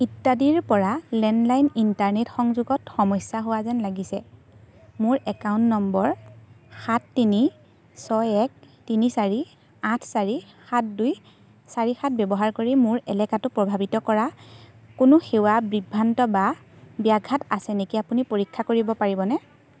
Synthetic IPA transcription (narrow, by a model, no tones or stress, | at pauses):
itːadiɹpɔɹalɛnlajnintaɹnetxɔŋzuɡɔtxɔmɔjsaɦʊwazɛnlaɡisɛ | mʊɹɛkawʊ̃ntnɔmbɔɹxatːini | sɔjɛk̚tinisaɹi | ãtʰsaɹixat̚duj | saɹixat̚bɛbɔɦaɹkoɹimʊɹɛlɛkatʊpɹɔbʱabitɔkɔɹakʊnʊxewabɹibʱːantɔbabiaɡʱatasɛnekiapunipoɹikʰːakoɹibɔpaɹibɔnɛ